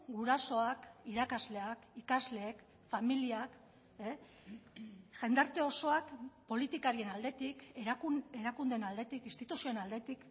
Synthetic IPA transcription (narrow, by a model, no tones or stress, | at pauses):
ɡuɾaso̞akiɾakazle̞akikazle̞ːk | familiak | e | ʝe̞nd̪aɾt̪e̞o̞so̞akpo̞lit̪ikaɾie̞nald̪e̞t̪ik | eɾakund̪e̞nald̪e̞t̪ikinst̪it̪usionald̪e̞t̪ik